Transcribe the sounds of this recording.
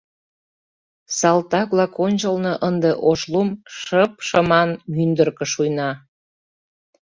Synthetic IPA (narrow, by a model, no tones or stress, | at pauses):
sɑlt̪ɑkβlɑkonʲt͡ɕəlnɤʔənd̪eʔoʃlumʃəp̚ʃəmɑnmynd̪ərkə̆ʃujnɑ